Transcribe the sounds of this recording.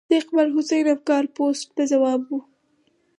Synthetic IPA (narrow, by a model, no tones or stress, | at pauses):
d̪eqbalɦʊsajɾafkɑɾposʈ̚t̪azawɑbwu